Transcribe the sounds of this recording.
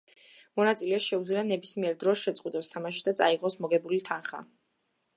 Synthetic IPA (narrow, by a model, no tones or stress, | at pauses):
mɔnat̪sʼilɛaʃɛud̪zlianɛbismiɛɾd̪ɾɔsʃɛt̪sʼqʼwid̪ʼɔst̪ʰamaʃ̬id̪at̪sʼaiʁɔsmɔɡɛbulit̪ʰanχa̰